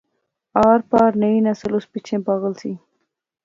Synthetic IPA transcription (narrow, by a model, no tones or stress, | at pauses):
ɑɾpɑɾnəinasəluspit͡ʃʰempɑɣəlsi